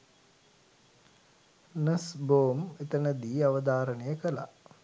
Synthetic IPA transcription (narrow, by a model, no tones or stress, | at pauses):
nəsboːmet̪ənəd̪iːaʋəd̪aːɾənəjəkəla̰